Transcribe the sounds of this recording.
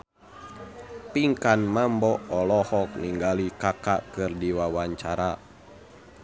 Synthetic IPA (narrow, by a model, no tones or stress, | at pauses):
piŋkanmambɔʔɔlɔhɔk̚niŋɡalikaka̰kɨrdiwawaɲt͡ʃaɾa